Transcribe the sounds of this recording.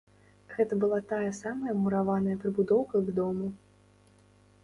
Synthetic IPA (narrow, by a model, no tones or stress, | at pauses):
ɣɛt̪ɐbɨlˠat̪ajɐsamɐjɐmuɾavanɐjɐpɾɨbud̪ɔwkɐɡd̪ɔmu